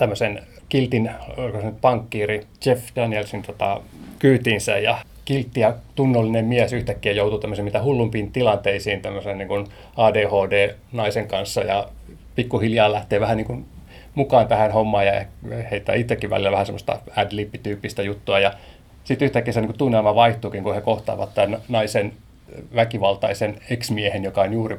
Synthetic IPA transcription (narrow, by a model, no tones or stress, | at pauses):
t̪æmːøsen | kilt̪inolikosænyt̪̚pɑŋkːiːrit͡ʃefdænielsint̪ot̪ɑ̰kyːt̪insæ̰jjɑ | kilt̪ːijɑt̪unːolːinemmiæsyht̪ækːiæjout̪ut̪æmːøsemit̪æhulːumpint̪ilɑnt̪eisiːnt̪æmːøsenniːŋkun | ɑːdeːhoːdeːnɑiseŋkɑnsːɑjɑ̰ | pikːuhiljɑːlæht̪eːʋæhæniːŋkun | mukɑːnt̪æhænhomːɑːjɑeheit̪ːæ̰ːit̪sːekːiʋʋæ̰lilːˑæʋæhæsemːˑost̪ɑ̰ædlipːit̪yːpːist̪æjut̪ːuɑjɑ | sit̪yht̪ækːiæsɑniŋkut̪unːelmɑʋɑiht̪uːkiŋkuhekoht̪ɑ̰ːʋɑ̰t̪t̪ænnɑisen | ʋækiʋɑlt̪ɑiseneksmiehenjokɑonjuːri